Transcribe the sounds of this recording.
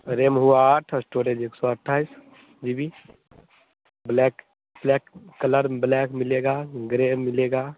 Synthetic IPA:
ɾeːmɦuaaʈʰəsʈoːɾed͡ʒeːksɔəʈʰːaːɪs | d͡ʒibi | blɛk | blɛkːələɾblɛːkmɪleːɡaːɡɾemɪleːɡaː

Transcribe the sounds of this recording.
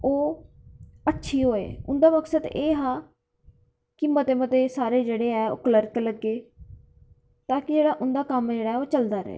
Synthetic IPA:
oː | əʈːʃʰiːɦoːḛːʊnd̪aːməksəd̪eːɦãː | kɪmːət̪eːmət̪eːsaːɾeːd͡ʒeːɽeːɛːo̰ːkələɾkləɡːeː | t̪ãːkɪd͡ʒeːɽaːʔʊnd̪aːkəmd͡ʒeːɽaːɛːoːt͡ʃəld̪aːɾə̰ḛː

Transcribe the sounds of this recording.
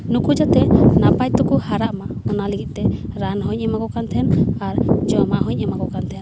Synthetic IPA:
nukud͡ʒat̪ɛnapajt̪ɔkuhaɾaʔmaɔnalɛɡit̪̚ˀt̪ɛɾanɦɔɲɛmakɔkant̪ʰɛnaɾd͡ʒɔmaɦɔɲɛmakɔkant̪ʰɛn

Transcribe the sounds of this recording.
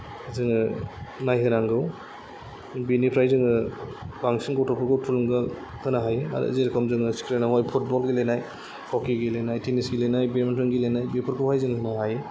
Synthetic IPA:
zɯŋɯnajɦɯɾaŋɡɯw | binipʰɾajzɯŋɯbaŋsinɡɔwtʰɔpʰɯɾɡɯwtʰulumɡa | hɯnaɦajea̰ɾɯ̰zeɾkʰɔmzɯŋɯsi̥kɾenawajpʰut̚bɔlɡilejnaj | kʰɔkiɡilenajtʰenisɡilejnajbementɔnɡilejnajbipʰɯɾkʰupʰajzɯŋɯɦɯnaɦaje

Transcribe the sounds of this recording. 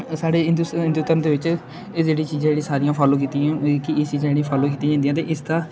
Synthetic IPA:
saːɽeːɪnd̪ɪ̃nd̪ut̪əɾnd̪eːʋɪt͡ʃː | d͡ʒeːɽĩːt͡ʃiːzãːd͡ʒeːɽĩːsaːɾijãːpʰɔːlõːk̬iːt̪ĩãːkɪɪst͡ʃiːzãeːɽĩːpʰɔːlõːkiːt̪ĩːd͡ʒãːd̪jãːt̪ḛːʔɪst̪ãː

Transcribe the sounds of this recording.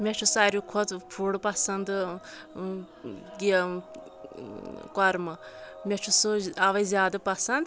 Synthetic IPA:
mʲet͡ʃʰusaɾʲjukʰot̪pʰuɽpɐsɐnd̪ | ɡi | kɔɾmɐmʲet͡ʃʰusuɐʋɐjzjaːd̪ɐpɐsɐnd̪

